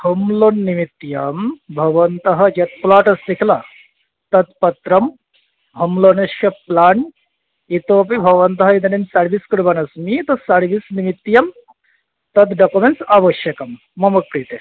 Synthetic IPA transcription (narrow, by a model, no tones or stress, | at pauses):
hɐmloːnːimit̪ːjɐmbʱɐɡʋɐnt̪ɐɦɐd͡ʒɐt̪̚plaːʈɐsd̪ikʰla | t̪ɐt̪pɐt̪ɾɐm | ɦɐmloːnɐʃjɐplaːɳ | it̪oːp̬ibʱɐɡʋɐnt̪ɐɦɐid̪ɐnimsɐɾʋiskɽbɐnɐsmit̪ɐsɐɽʋisnimit̪ːjɐm | t̪ɐt̪ɖɐkumensaʋɐʃjɐkɐmː | ɐmɐkːɾit̪e